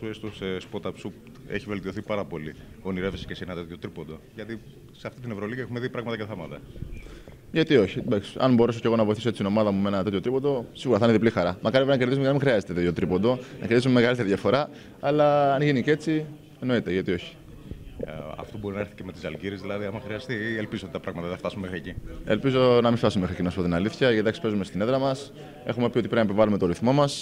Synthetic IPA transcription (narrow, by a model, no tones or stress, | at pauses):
uest̪osespo̞t̪ɐpsup | ḛçive̞lt̪io̞θipɐɾɐpo̞li | o̞niɾevsescesenɐt̪et̪jo̞t̪ɾipo̞d̪oʝɐt̪i | seɐft̪it̪inevɾo̞liʝɐexumeðipɾɐɣmɐt̪ɐceθɐmɐt̪ɐ | ʝɐt̪io̞çid̪ɐksɐ̰nbo̞ɾe̞soce̞ɣo̞nɐvo̞iθiset͡sit̪inomɐðɐmumeenɐt̪et̪jot̪ɾipod̪o̞siɣuɾɐθɐneðiplixɐɾɐmʔɐkɐɾinɐceɾðizumecenmexɾiɐzet̪etet̪jot̪ɾipond̪o̞nɐceɾðisumeme̞ɣɐlit̪e̞ɾiðʝɐfo̞ɾɐː | lɐːnʝinice̞t͡si | e̞no̞it̪e̞ʝɐt̪io̞çi̥ | ɐ̰ft̪obo̞ɾinɐeɾθi̥ceme̞t̪i̥sɐlɟiɾezðilɐðiɐmɐxɾiɐst̪ielpizoot̪it̪ɐpɾɐɣmɐt̪ɐθeft̪ɐsumemexɾiecie̞̰lpizo̞nɐmift̪ɐsumeme̞xɾicinoɐpot̪inɐliθçɐed̪ɐksi̥pe̞zumest̪ine̞ðɾɐmɐs | e̞̰xume̞piot̪iɾeinɐipivɐlume̞t̪oɾiθmo̞mɐs